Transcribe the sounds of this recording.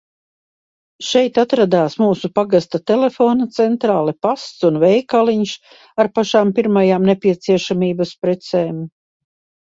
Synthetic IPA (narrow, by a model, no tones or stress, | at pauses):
ʃɛjt̪at̪ɾad̪aːsmuːsupaɡast̪at̪ɛlefoːnat̪sɛnt̪ɾaːlˠipast̪sunvɛjkalˠiɲs | aɾpaʃaːmpiɾmajaːmnepʲiɛt̪siɛʃamiːbaspɾɛt̪sɛːm